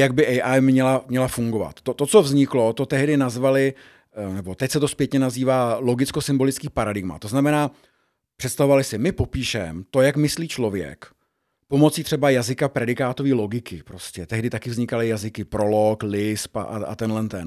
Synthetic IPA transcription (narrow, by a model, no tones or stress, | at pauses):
jaɡ̚bɪʔɛjʔajmɲɛlamɲɛlafuŋɡo̞va̰t̪ːot̪o̞tt͡so̞vzɲɪklo̞t̪o̞t̪ɛɦdɪnazvalɪ | nɛbo̞t̪ɛcsɛt̪o̞spjɛt̪ɲɛnaziːvaːlo̞ɡɪt͡sko̞sɪmbo̞lɪt͡skiːpaɾadɪɡma̰t̪oznamɛnaː | pr̥ɛt̪st̪avo̞valɪsɪmɪpo̞piːʃɛmt̪o̞jakmɪsliːt͡ʃlo̞vjɛ̰k | po̞mo̞t͡siːt̪r̥ɛbajazɪkapɾɛdɪkaːt̪o̞viːlo̞ɡɪkɪpɾo̞scɛt̪ɛɦdɪt̪akɪvzɲɪkalɪjazɪkɪpɾo̞loklɪspa̰ʔa̰a̰t̪ɛnɦlɛnt̪ɛn